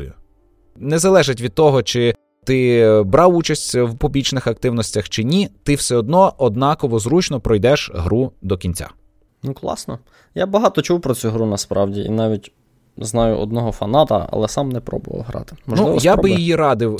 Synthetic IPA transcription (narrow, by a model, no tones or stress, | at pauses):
jʊ | nɛzɐlˠɛʒɪtʲʋʲid̪̚t̪ɔɦɔt͡ʃɪ | t̪ɪbɾɑwut͡ʃɐsʲtʲwpubʲlʲit͡ʃnɪxɐk̚t̪ɪwnɔsʲtʲɐxt͡ʃɪnʲit̪ɪwsɛɔd̪nɔɔd̪nɑkɔʋɔzɾut͡ʃnɔpɾɔjd̪ɛʃɦɾud̪ɔkʲinʲt͡sʲa̰ | nuklˠɑ̰snɔ | jabɐɦɑt̪ɔt͡ʃuwpɾɔt͡sʲuɦɾunɐspɾɑwdʲiḭnɑʋʲitʲ | znɑjʊ̰ʔɔ̰d̪nɔɦɔfɐnɑt̪ɐ̰ɐ̰lˠɛsɑmnɛpɾɔ̰bʊʋɐ̰lɦɾɑ̰t̪ɪ̥mɔʒnuɪjjabɪjijiɾɑd̪ɪw